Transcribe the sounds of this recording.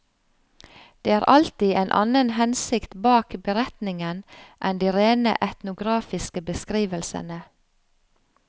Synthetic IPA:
d̪̥eːæːɾʔɑlt̪ieːnʔɑ̰nənhɛnsɪkt̪bɑːkbəɾɛt̪nɪŋənʔɛnd̪iːɾeːnə̰ʔɛt̪nʊɡɾɑːfɪskəbəskɾiːʋəlsə̰nə

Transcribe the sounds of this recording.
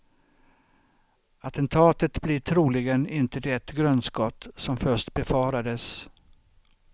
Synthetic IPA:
at̪ɛnt̪ʰɑːt̪ət̪blɪʈʰɾuːlɪɡənɪnt̪əd̪ɛt̪ɡɾœnskɔt̪ːsɔmfœʂʈbɛfɑːɾad̪əs

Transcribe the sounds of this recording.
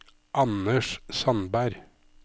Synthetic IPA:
ʔɑnəʃsɑnbæɾ

